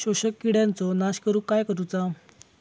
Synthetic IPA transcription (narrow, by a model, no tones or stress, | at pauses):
ɕoɕəkːiɽjãnt͡sɔnaɕkəɾũkajkəɾut͡sa